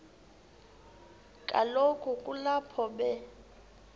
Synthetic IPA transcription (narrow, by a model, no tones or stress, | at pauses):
kʼalokʰʼukʼulapʰɔbɛ